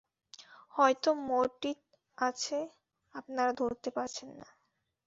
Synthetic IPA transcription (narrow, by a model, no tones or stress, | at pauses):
hɔet̪omoɾʈiɾ | at͡ɕʰe | apnaɾad̪ʱoɾt̪epaɾt͡ɕʰenːa̰